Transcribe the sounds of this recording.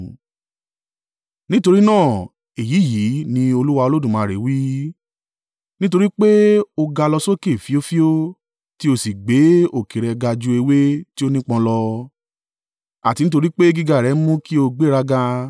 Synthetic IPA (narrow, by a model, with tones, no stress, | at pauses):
nĩ˦to˧ɾi˦nãː˦˨ | e˨ji˨˦˨ji˨˦nĩ˧o˧lu˦wa˧o˧lo˦dũ˦˨mãː˨˦˨ɾe˨˦wi˦ | nĩ˦t̬o˧ɾi˦k͡pe˦o˧ɡa˧lɔ˧so˦ke˦˨fi˨˦o˦fi˦o˦ | ti˦o˧˦si˨ɡ͡be˨˦o˨ki˨ɾɛ˧ɡa˧d͡ʒu˧e˧we˦ti˦o˦nĩ˦k͡pɔ̃˧lɔ˧ | a̰˨ti˧nĩ˦t̬o˧ɾi˦k͡pe˦ɡi˧ɡa˦˨ɾɛ˨˦mũ˦ki˦o˧ɡ͡be˦ɾa˧ɡa˧